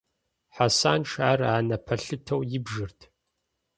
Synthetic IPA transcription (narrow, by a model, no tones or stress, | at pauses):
ħasaːnʈ͡ʂʰaːraːnɐpʰɐɬɨtʰɐwjɪbʒɨrtʰ